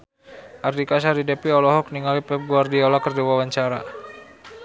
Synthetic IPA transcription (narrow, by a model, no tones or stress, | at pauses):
ʔardikas̬aɾidɛpiɔlɔɦɔk̚niŋalipɛp̚ɡuardiɔlakərdiwawaɲt͡ʃaɾa̰